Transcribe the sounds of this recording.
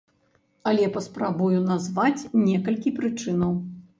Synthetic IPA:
ɐlʲɛpɐspɾabujunazvat͡sʲnʲɛkɐlʲkʲipɾɨt͡ʂɨn̪ɐw

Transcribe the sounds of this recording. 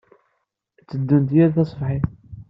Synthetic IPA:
t͡sːəd̪ːunt̪jæɾθɑsˤəfħiθ

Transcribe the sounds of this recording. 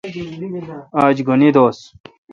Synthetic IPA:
aːd͡ʑɡunid̪oːs

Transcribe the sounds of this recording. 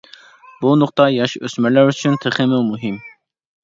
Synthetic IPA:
bunʊqt̪ɑjɑʃøsmɛɾlæɾyt͡ʃʰynt̪ʰeχɪmɪwmuɦɪm

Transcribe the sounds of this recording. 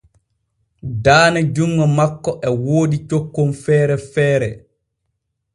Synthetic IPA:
daːnɛd͡ʒuŋɡɔmakːɔʔɛwoːdit͡ʃokːonfɛːɾɛfɛːɾɛ

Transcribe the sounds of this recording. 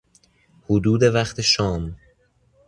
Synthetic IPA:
hod̪uːd̪e̞væχt̪ʰeʃɒːm

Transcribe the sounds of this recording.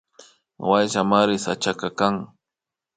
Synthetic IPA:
wajʃamaɾɪsat͡ʃakakaŋ

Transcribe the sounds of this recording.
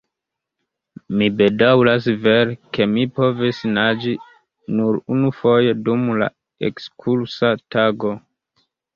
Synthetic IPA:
mibe̞dawlasveɾke̞mipo̞visnad͡ʒi | nuɾunufo̞je̞dumla̰ | ḛkskʰulsataɡo̞

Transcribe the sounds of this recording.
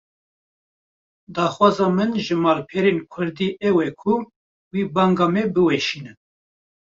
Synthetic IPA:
d̪ɑːxwɑːzɑːmɨnʒɨmɑːlpʰɛɾenkʰʊɾd̪iːʔɛwɛkʰʊ | wiːbɑːŋɡɑːmɛbɨwɛʃiːnɨn

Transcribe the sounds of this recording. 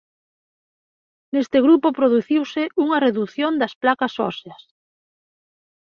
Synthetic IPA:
nest̪ɪɣɾupopɾoðuθiwsɪʔuŋɐreðuθjond̪ɐsplakɐsɔ̰seɐs

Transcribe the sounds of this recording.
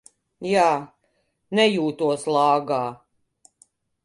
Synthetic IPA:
jaː | nɛjuːt̪uɔslˠɑːɡaː

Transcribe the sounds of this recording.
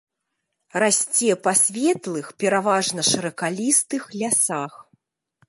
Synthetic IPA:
rasʲt͡sʲɛpasʲvʲɛt̪lˠɨxpʲɛɾavaʐnɐʂɨɾɐkalʲist̪ɨxlʲasax

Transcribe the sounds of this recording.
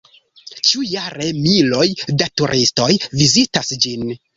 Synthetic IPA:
t͡ʃujaɾe̞milo̞jdatuɾʔisto̞jvizitasd͡ʒin

